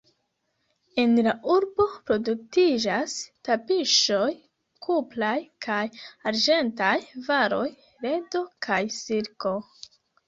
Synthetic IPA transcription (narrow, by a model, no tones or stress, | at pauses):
e̞nlaʔuɾbo̞pɾo̞duk̚tid͡ʒastapiʃo̞j | kʰuplajkʰajaɾd͡ʒe̞ntajvaɾo̞j | ɾe̞do̞kʰajsiɾko̞